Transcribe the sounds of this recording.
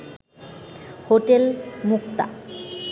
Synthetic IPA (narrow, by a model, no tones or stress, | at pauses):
hoʈelmukt̪a̰